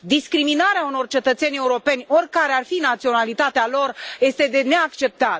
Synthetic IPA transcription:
d̪iskɾiminaɾeauno̞rt͡ʃe̞t̪ət̪se̞nʲe̞uɾo̞pe̞nʲo̞rʲkaɾearfinat̪sio̞nalit̪at̪ealo̞rje̞st̪e̞d̪e̞ne̞akt͡ʃe̞p̚t̪a

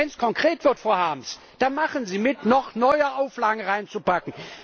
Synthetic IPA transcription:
ɛnskʰɔŋkʁ̥eːtv̥ɪɐtfoːɐhaːms | d̥anmaχənziːmɪtnɔχnɔʏɐʔaʊflaːɡŋ̩ʁaɪnt͡supakŋ̩

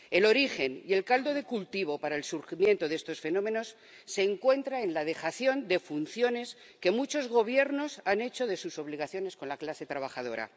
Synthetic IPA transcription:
e̞lo̞ɾixe̞nje̞lkald̪o̞ð̞e̞kult̪iβ̞o̞paɾaelsuɾximje̞nt̪o̞ðe̞st̪o̞sfe̞no̞meno̞sː | e̞ːŋkwe̞nt̪ɾaenlað̞e̞xaθjo̞nd̪e̞funθjo̞ne̞s | ke̞mut͡ʃo̞zɣo̞β̞je̞ɾno̞sane̞t͡ʃo̞ðe̞suso̞β̞liɣ̞aθjo̞nesko̞nlaklase̞t̪ɾaβ̞axað̞o̞̰ɾa̰

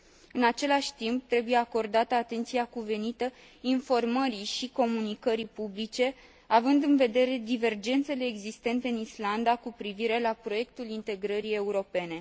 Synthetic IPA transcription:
ɨnat͡ʃe̞laʃʲt̪imp̚t̪ɾe̞buje̞ako̞rd̪at̪əat̪e̞nt̪siakuve̞nit̪ə | info̞rməɾiʃiko̞munikəɾipublit͡ʃe̞ | avɨnd̪ɨnve̞d̪e̞ɾe̞d̪ive̞rd͡ʒe̞nt̪se̞le̞ːɡzist̪e̞nt̪e̞ɨnisland̪akupɾiviɾe̞lapɾo̞je̞kt̪ulint̪e̞ɡɾəɾie̞uɾo̞pe̞ne̞

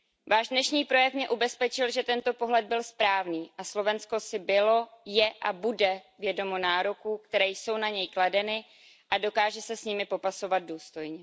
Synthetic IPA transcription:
vaːʒdnɛʃɲiːpɾo̞jɛfmɲɛʔubɛspɛt͡ʃɪlʒɛt̪ɛnt̪o̞po̞ɦlɛd̪̚bɪlspɾaːvniːʔaslo̞vɛnsko̞sɪbɪlo̞jɛʔabudɛvjɛdo̞mo̞naːɾokuːkt̪ɛɾɛːjso̞wnaɲɛjkladɛnɪ | ʔado̞kaːʒɛsɛsɲɪmɪpo̞paso̞vad̪̚duːst̪o̞jɲɛ

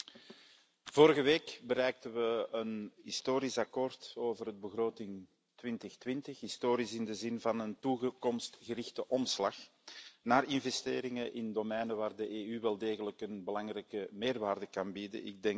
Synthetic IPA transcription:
v̥oːɾəɣəʋeːkbəɾɛjk̚təʋəənɦɪstoːɾɪsɑkoːrtoːvərəd̚bəɣroːtɪŋ | tʋɪntəxtʋɪntəxɦistoːɾɪsɪndəzɪnvɑnəntukɔmstɣəɾɪxtəʔɔmslɑx | naːrɪnvɛsteːɾɪŋəʔɪndomɛjnəʋaːrdəʔeːyʋɛlˠdeːɣələkənbəlɑŋrɛjkəmeːrʋaːrdəkɑnbidə̰nɪ̰ɡ̚dɛŋ

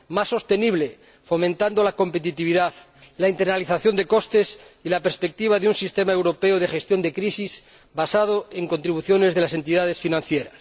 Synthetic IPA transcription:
masːo̞st̪e̞niβ̞le | fo̞mẽnt̪and̪olako̞mpe̞t̪it̪iβ̞iðað | laint̪eɾnaliθaθjo̞nd̪e̞ko̞st̪e̞silapeɾspek̚t̪iβ̞aðeunsist̪e̞maewɾo̞peoðe̞xe̞st̪jo̞nd̪e̞kɾisis | basað̞oe̞ŋko̞nt̪ɾiβuθjo̞ne̞zðe̞lase̞nt̪iðað̞e̞sfinãn̟θjeɾa̰s

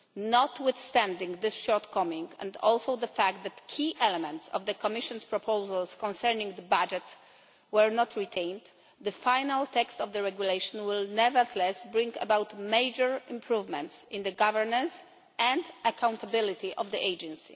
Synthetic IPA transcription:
nɔt̪wɪθst̪æ̃nd̪ĩŋɡd̪ɪsʃɔɹt̪kʰɔmĩŋɡɛ̰̃nd̪ɔlsowd̪əfæk̚t̪̚d̪æt̪kʰiʔɛlɛmɛ̃nt̪sɔ̰vd̪əkɔmɪʃɔ̃nspɹɔpʰowzalskɔ̃nsɛɹnĩŋɡd̪əbad͡ʒɛt̪ | wɛɹnɔt̪ʰɹit̪ʰẽj̃nd̪ | d̪əfajnalt̪ɛkst̪ɔvd̪əɹɛɡjulejʃɔ̃nwɪlnɛvəd̪lɛsbɹĩŋɡɛ̰bawt̪mejd͡ʒəɹɪ̃mpʰɹuvmɛ̃nt̪sɪ̃nd̪əɡavəɹnãns | ɛ̃nd̪akʰãw̃nt̪abɪlit̪iʔɔvd̪iʔejd͡ʒɛ̃nsḭ

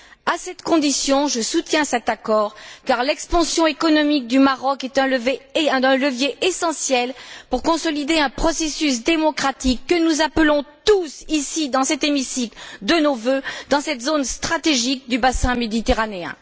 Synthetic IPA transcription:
asɛt̪kɔ̃d̪isjɔ̃ʒəsut̪jɛ̃sɛt̪akɔʁkaʁlɛkspɑ̃sjɔ̃ekɔnɔmik̚d̪ymaʁɔkɛt̪ɛ̃ləvẽləvjeʔesɑ̃sjɛlpuʁkɔ̃sɔlid̪eɛ̃pχɔsesys̬d̪emɔkχat̪ikːənuzapəlɔ̃t̪usisid̪ɑ̃sɛt̪emisikld̪ənovød̪ɑ̃sɛt̪zonst̪χat̪eʒik̚d̪ybasɛ̃med̪it̪eʁaneɛ̰̃

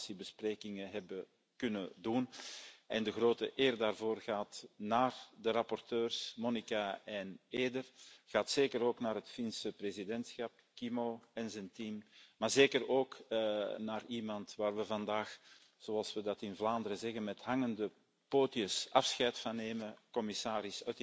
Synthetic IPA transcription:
sibəspreːkɪŋəɦɛbə | kʏnədunʔɛndəɣroːtəʔeːrdaːrvoːrɣaːtnaːrdəɾɑpɔrtøːrsmɔnikaɛneːdərɣ̥aːtseːkəɾoːknaːɾɦətfinsəprezidɛntsxɑp̚kimoɛnzɛntiːmmaːrzeːkəɾoːknaːrimɑntʋaːrʋəvɑndaːx | z̥oɑlˠsʋədɑtɪnvlaːndəɾəzɛɣənmɛtɦɑŋəndə | poːtiəsɑfsxɛjtfɑneːməkɔmisaːɾɪsœt

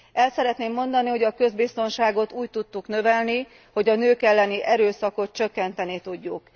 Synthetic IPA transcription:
ɛlsɛɾɛt̪neːmːo̞nd̪ɒniho̞ɟɒkø̞zbist̪o̞nʃaːɡo̞t̪uːct̪ut̪ːuknø̞vɛlni | ho̞ɟɒnøːkɛlːɛniʔɛɾøːsɒko̞t̪̚t͡ʃø̞kːɛnt̪ɛnit̪uɟːuk

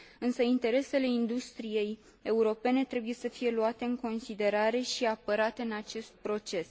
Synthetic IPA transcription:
ɨnsəint̪e̞ɾe̞se̞le̞ind̪ust̪ɾije̞j | e̞uɾo̞pe̞ne̞t̪ɾe̞buje̞səfije̞luat̪e̞ɨŋko̞nsid̪e̞ɾaɾe̞ʃiapəɾat̪e̞ɨnat͡ʃe̞st̪̚pɾo̞t͡ʃe̞s

